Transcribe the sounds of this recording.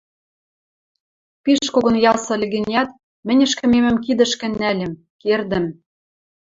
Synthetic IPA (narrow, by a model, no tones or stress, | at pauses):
piʃkoɣonjɑsɤ̆lʲɘ̆ɣɘ̆nʲæt̪ | mɘ̆nʲɘ̆ʃkɘ̆memɘ̆mkid̪ɘ̆ʃkɘ̆nːælʲɘ̆m | kerd̪ɘ̆m